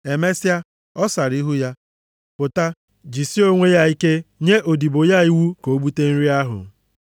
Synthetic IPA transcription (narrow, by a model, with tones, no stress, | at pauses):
e˨me˦si˦a˦ | ɔ˦sa˨ɾi˦ɦu˦ja˦ | pʊ˨ta˦ | d͡ʒi˨si˦o˦ŋʷe˦ja˦i˦ke˦ɲe˦ʔo˨di˨bo˨ja˦i˦wu˦ko˨˦bu˦te˦n̩˦ɾi˦a˦ɦʊ̰˨